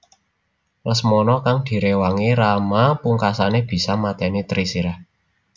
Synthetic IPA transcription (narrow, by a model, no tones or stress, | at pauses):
rəsmɔnɔkaŋd̪̥i̤ɾewaŋiɾamapuŋkasaneb̥i̤samat̪ɛnit̪ɾisiɾa